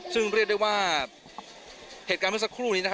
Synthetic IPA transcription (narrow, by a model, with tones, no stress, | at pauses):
sɯ˥˩ŋɾi˥˩t̚d̪wu˥˩jwaː˥˩ | heː˨˩t̚kaː˧mʰː˥˩sa˧˥kʰɾuː˥˩niː˦˥n˧˥